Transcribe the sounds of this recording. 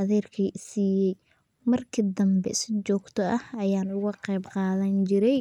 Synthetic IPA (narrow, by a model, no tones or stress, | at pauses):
ɐðɛːrkʰɐsiːjɛj | mɐrkʰɪd̪ɐmbɛ̰sɪt͡ʃɔːɡt̪ʰɔʔɐhɐjaːnʊɣɐqɛjbqɑːðɐnt͡ʃɪɾɛj